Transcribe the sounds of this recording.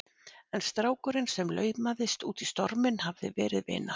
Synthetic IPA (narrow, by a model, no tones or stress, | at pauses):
ɛnst̪ɾaːwkʏɾɪnsɛmlœːɥpmaðɪst̪uːt̪ist̪ɔɾmɪnhavðɪ̰vɛːɾɪðvɪ̰ːnːa